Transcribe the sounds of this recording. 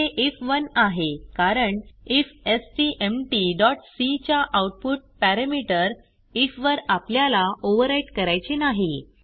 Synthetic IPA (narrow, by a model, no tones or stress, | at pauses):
eʔifʋənaɦekaɾəɳifesʈiʔemʈiɖɔʈsit͡ɕjaʔawʈ̚puʈ̚pæɾəmiʈəɾ | ifʋəɾapljalaoʋəɾaiʈkəɾajt͡senaɦi